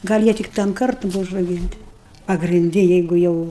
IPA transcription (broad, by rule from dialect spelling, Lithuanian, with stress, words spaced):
ɡɐlʲ ˈjiɛ tʲɪk tɐm ˈkɐrtʊ ˈbʊʋɐ ʊʒrɐʊˈɡʲiːnʲtʲɪ pɐɡrʲɪnʲˈdʲɪ ˈjɛɪɡʊ ˈjɛʊ